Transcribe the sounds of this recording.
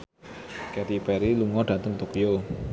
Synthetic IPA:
kɛt̪ibɛɾiluŋɔɖ̥at̪əŋt̪okijo

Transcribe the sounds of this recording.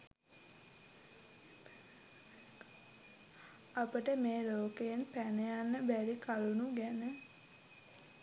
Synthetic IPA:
apəʈəmeːloːkejenpænejanːəbæɾikʰalunuɡænə

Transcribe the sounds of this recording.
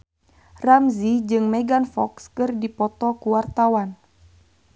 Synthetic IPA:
ramzid͡ʒɨŋmɛɡanfɔkskɨrdipɔt̪ɔkuwart̪awan

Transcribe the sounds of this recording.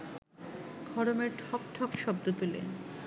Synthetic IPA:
ɡʱɔɾomeɾʈʰɔkʈʰɔkʃɔb̚d̪ot̪ulḛn

